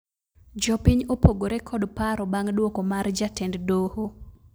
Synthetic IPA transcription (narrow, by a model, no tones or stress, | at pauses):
d͡ʒɔpiɲopoɡoɾekʰɔdpaɾɔbaŋdwokomard͡ʒatɛnddoho